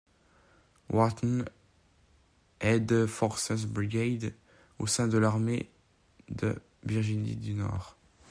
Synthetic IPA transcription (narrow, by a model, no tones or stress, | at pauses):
wʔat̪n | ɛd̪əfɔʁsə̃sbʁiɡʲed̪ | osɛ̃d̪əlaʁme | d̪ə̰ | viʁʒinḭd̪ynɔ̰ːʁ